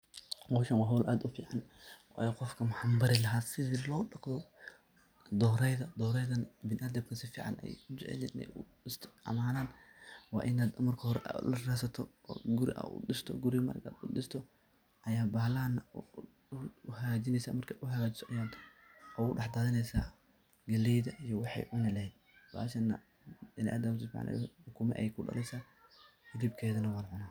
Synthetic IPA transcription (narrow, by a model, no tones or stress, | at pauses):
wɔʃɐnwɑːɦɔːlʔaːd̪ʊfiːʕɑnwɑ̰ːjɛqɔfkʰɐmɐħɑmbɐɾɪlɐɦaːsɪðilɔːɗɑqðɔ | d̪ɔːɾɛjðɐd̪ɔːɾɛjðɐnbɪnʔɐd̪ɐb̚kʰɐsɪfiːʕɑ̰nɛ̰jd͡ʒɛ̰ʕɛ̰lːɪnɛ̰jʊ | ɪst̪ʰɔ̥ʔɐ̰maːnaːnwɑ̰ːʔɪnaːd̪mɐrkʰɐhɔɾɛ̰ʔlɐraːsɐt̪ʰɔ̰ːɡʊɾɪʔɐ̰ʔʊ̰ɗɪst̪ʰɔɡʊɾɪmɐ̰ɾkʰa̰ːd̪ʊ̰dɪst̪ʰɔ | ʔɐjaːbaːlɐɐnɐ | ʊhad͡ʒɪnɛjsa̰ːmɐrkʰɐʊɦɐɣaːt͡ʃɪ̥sɔʔɐjaːd̪ | ɔɣʊɖɑħd̪aːðɪnɛjsa̰ː | ɡɐlɛjðɐʔijɞwɑħɑ̰jʕʊnɐlɐhɛd̪̚ | ba̰ːʃɐnɐ̰ | ɪn̰ʔa̰d̪ɐʊsɪb̰ʕ̰nʔɛ̰ħʊkʰumɛ̰ʔɛjkʰʊɖɐ̰lɛjsaː | ɡʊɾiːb̚kʰɛːðɐnɐwɑːlʕʊnaː